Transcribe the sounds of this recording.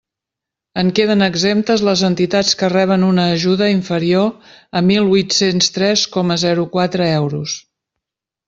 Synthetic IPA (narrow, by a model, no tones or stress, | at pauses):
əŋkeð̞ənəɡzemp̚t̪əzləzənt̪it̪at͡skərɛβ̞ənunəːʒuðəiɱfəɾioəmilˠβujt̪senst̪ɾɛskɔməzɛɾukwat̪ɾəɛwɾus